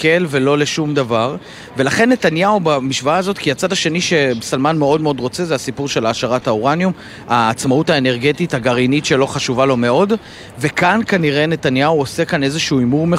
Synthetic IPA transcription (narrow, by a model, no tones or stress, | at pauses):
kelve̞lo̞le̞ʃumd̪avaʁ | ve̞laχe̞nːe̞tanjaubamiʃvaaːzo̞tkiat͡sadaʃe̞niʃe̞besalmanme̞o̞dmeo̞dʁo̞t͡sezeasipuʁʃelaːʃaʁataoʁanjum | aːt͡smautaene̞ʁɡe̞tithaɡaʁinitʃe̞lo̞χaʃuvalo̞me̞o̞d | ve̞kankaniʁe̞ne̞tanjauose̞kane̞zeʃuuːimuʁme